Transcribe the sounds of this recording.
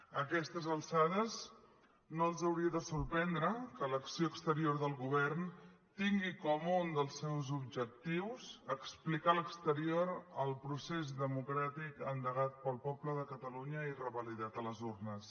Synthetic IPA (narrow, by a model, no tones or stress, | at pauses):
əkɛst̪əzəlˠsaðəz | noəlˠzəwɾiəðəsurpɛnd̪ɾəkələksioəkst̪əɾioɾðəlˠɣuβɛrn | t̪iŋɡikɔmund̪əlˠsːɛwzubʒək̚t̪iwzəksplikaləkst̪əɾioɾəlˠpɾusezðəmukɾat̪ikənd̪əɣat̪̚pəlˠpɔbləðəkət̪əluɲəirəβəliðat̪ələzurnəs